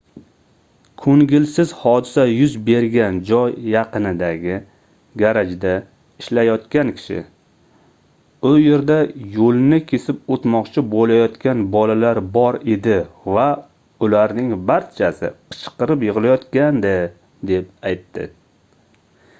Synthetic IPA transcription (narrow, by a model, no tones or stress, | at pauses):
kʰoŋɡʲɪlsɪzhɒd̪ɪsajʊzbe̞ɾɡʲand͡ʒɒjːɑqɨnɪd̪aɡʲɪ | ɡʲaɾad͡ʒd̪a | ɪʃlajɒt̪kʲankʲʰɪ̥ʃɪ̰ | ʊje̞ɾd̪ajolˠnɪkʲʰe̞sɪp̚ot̪mɒqt͡ʃʰɪbolajɒt̪kʲanbɒlalaɾbɒɾe̞d̪ɪva | ʊlaɾnɪŋbaɾt͡ʃʰasɪ̰qʰɨ̥t͡ʃʰqɨɾɪpjɨʁɨlajɒt̪kʲand̪ɪ | d̪e̞p̚ajt̪ʰːɪ̰